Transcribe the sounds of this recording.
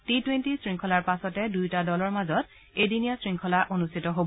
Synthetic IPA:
titwentisɹiŋkʰɔlaɹpasɔtɛdujtadɔlɔɹmazɔt | ejdinijasɹiŋkʰɔlaʔonustʰitɔɦob

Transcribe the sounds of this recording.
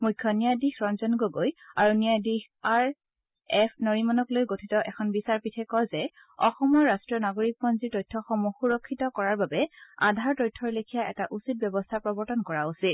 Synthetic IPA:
mujkʰːɔnijadixɹɔnzɔnɡoɡojaɹunijadix | aɹ | ɛpʰnɔɹimɔnɔklojɡotʰitɔʔɛkʰɔnbisaɹpitʰɛkɔzɛ | ɔxɔmɔɹːastɹiɔnaɡoɹik̚pɔnziɹtɔjtʰːɔxɔmuxuɹɔkʰːitɔkɔɹaɹbabɛa̰dʱaɹtɔjtʰːɔɹlekʰijaʔɛtaʔusit̚bjɔbɔstʰapɹɔbɔɹtɔnkɔɹausit̚

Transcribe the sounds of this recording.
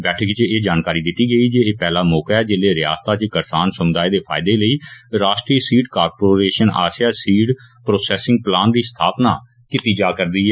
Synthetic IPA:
bɛːʈʰəkt͡ʃeːd͡ʒaːnkaːɾiːd̪ɪt̪ːiːɡəiːd͡ʒeːeːpɛːlaːmɔːkaɛːd͡ʒɪleːɾɪja̰ːst̪aːt͡ʃkəɾsaːnsʊmd̪aːeːd̪eːpʰa̰ːɪd̪eːləiːɾaːʃʈɾiːsiːʈkaːɾpoːɾeːʃəna̰ːsjaːsiːɖpɾoːsɛːsɪ̃ŋɡ̚plaːnd̪iːst̪ʰaːpna̰ː | kɪt̪iːd͡ʒaːkəɾd̪iːɦɛː

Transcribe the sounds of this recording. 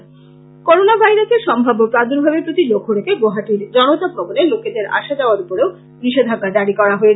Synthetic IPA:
koɾonabʱajɾaseʃɔmbʱabopɾad̪oɾbʱabepɾot̪ilokʰoɽekeɡoɦaʈiɾd͡ʑɔnot̪abʱɔboneloked̪eɾa̰ʃad̪eoaɾupoɾeo | biʃed̪ʱaɡːad̪aɽikɔɾaɦoe

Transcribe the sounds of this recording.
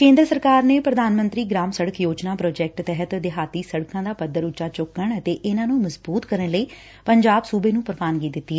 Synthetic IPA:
kẽːnd̪ɾəsəɾkaːɾneːpɾəd̪aːnmə̃nt̪ɾiːɡɾaːmsəɽəkjoːd͡ʒnaːpɾɔːd͡ʒɛːk̚ʈt̪ɛɦət̪d̪ɪɦaːt̪iːsəɽkãːd̪aːpəd̪ːəɾʊt͡ʃːaːt͡ʃʊkːəɳət̪eːʔɪnãːnũːməzbuːt̪kəɾənləiː | pəɲd͡ʒaːbsuːbeːnũːpəɾʋaːnɡiːd̪ɪt̪ːiːɛ

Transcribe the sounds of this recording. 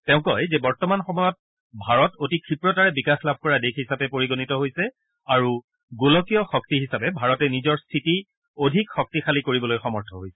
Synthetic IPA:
tɛʊ̃kɔjzebɔɹtɔmanxɔmɔjɔt̚ | bʱaɹɔtotikʰɹipɹɔtaɹɛbikaxlabʱkɔɹadekʰhisapɛpoɹiɡonitɔɦojsɛ | aɹu | ɡolɔkijɔxɔk̚tiɦisapɛbʱaɹɔtɛnizɔɹstʰiti | odʱikxɔk̚tixʰalikoɹibɔlojxɔmɔɹtʰɔɦojsɛ̥

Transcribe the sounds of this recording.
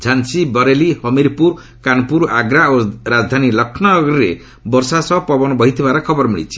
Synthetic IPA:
d͡ʒʱansibɔɾelihɔmiɾpuɾ | kanpuɾa̰ɡɾaoɾad͡ʒd̪ʱanilʌkʰnɔɡɾiɾe | bɔɾsasɔpɔbɔnɔbʱɔɦit̪ʰibaɾakʰɔbɔɾmiɭḭt͡ʃʰi̥

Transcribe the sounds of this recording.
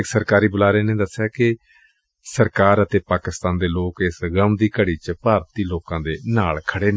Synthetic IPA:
ɪksəɾkaːɾiːbʊlaːɾeːnẽːd̪əsːjaːkɪ | səɾkaːɾət̪eːpaːkɪst̪ãːnd̪eːloːkɪsɡəmd̪iːkəɽiːt͡ʃpaːɾt̪iːloːkãːd̪eːnaːlkʰəɽeːn

